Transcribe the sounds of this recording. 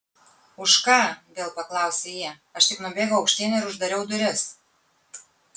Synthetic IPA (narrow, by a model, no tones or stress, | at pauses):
ʊʃkɑːβʲeːlˠpɐklˠɑʊsʲejɛ | ɐʃt̪ʲɪknubʲeːɡʲoʊɒʊkʃʲt̪ʲeːnʲɪɾʊʒd̪ɐɾʲɛʊd̪ʊɾʲɪs